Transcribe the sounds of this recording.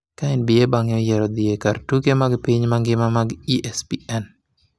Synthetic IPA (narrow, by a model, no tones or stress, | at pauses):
kaɛnbiebaŋɪɔjɛɾɔd̪iekartukemaɡpiɲmaŋɡɪmamaɡiʔɛspiʔɛn